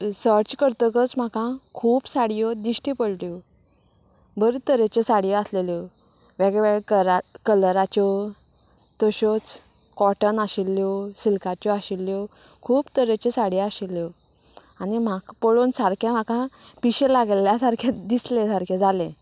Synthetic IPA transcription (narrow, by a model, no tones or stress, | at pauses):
səɾt͡ɕkəɾt̪əkət͡sm̤akãkʰuːpsaɽijɔd̪iɕʈipəɽlo | bʱəɾt̪əɾet͡ɕɔsaɽijɔasleljɔ | ʋeɡeʋeɡkəɾakələɾat͡ɕɔ | t̪ɔɕɔt͡s | kɔʈənaɕilːjɔsilkat͡ɕɔaɕilːjɔkʰuːbt̪əɾet͡ɕɔsaɽiaɕilːjɔ | anim̤akpəɭoːnsaɾkʰãm̤akãpiɕelaɡljasaɾkʰjatd̪islesaɾkʰad͡zʱalẽ